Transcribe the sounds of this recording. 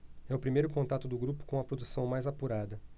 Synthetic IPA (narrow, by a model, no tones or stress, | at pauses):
ɛʊpɾimejɾʊkõnt̪at̪ʊd̪ʊɡɾupʊ̥kõɐpɾod̪usɐ̃w̃majzapuɾad̪ɐ